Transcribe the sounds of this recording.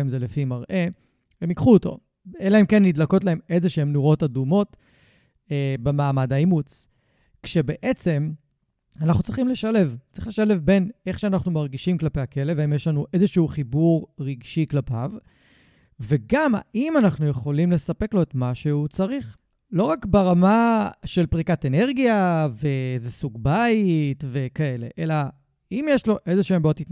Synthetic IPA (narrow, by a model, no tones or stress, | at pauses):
imzelefimaʁʔe̞ | hemikχuoto̞̰ | elae̞mkenːidlako̞t̬lae̞me̞zeʃeemnuʁo̞tadumo̞t | ebemaːmadaimut͡s | kʃe̞beʔet͡se̞m | anaχnut͡sʁiχimle̞ʃale̞vtt͡sʁi̥χle̞ʃale̞vbe̞ne̞χʃeanaχnumaʁɡiʃimklapejake̞levaimjeʃlanuʔe̞zeʃuuχibuʁʁiɡʃiklapav | veɡama̰ʔimanaχnujeχo̞limle̞sape̞klo̞etmaʃe̞ut͡saʁiχ | lo̞ʁakbeʁamaʃe̞lpʁikatene̞ʁɡijaveezesuɡbajitve̞kae̞le̞̰ʔe̞la | imjeʃlo̞ʔe̞zeʃuembot̪itn